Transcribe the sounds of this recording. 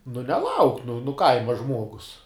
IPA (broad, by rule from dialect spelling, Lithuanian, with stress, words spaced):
nʊ nʲɛˈlˠɐʊk nʊ nʊ ˈkɐɪmɐ ˈʒmuɔɡʊs